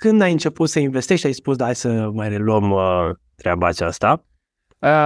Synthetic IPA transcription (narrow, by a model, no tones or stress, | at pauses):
kɨnd̪ajɨnt͡ʃe̞put̪səinvest̪eʃajspusd̪ajsəmajre̞luəmə | t̪ɾeabaːt͡ʃa̰st̪a | ə